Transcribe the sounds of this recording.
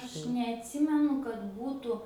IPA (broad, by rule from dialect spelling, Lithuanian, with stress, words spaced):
ˈɐʃ nʲɛɐtʲˈsʲɪmʲɛnʊ kɐt ˈbuːtuː